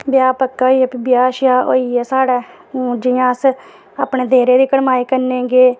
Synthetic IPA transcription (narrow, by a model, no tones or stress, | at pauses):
bɪjaːpəkːaiɛpːbɪjaːʃjaːoːiːɛːsaːɽɛ̃ː | d͡ʒɪjãːs | aːpɳeːd̪eːɾeːd̪iːkəɽmaːiːkəɾnẽːɡeː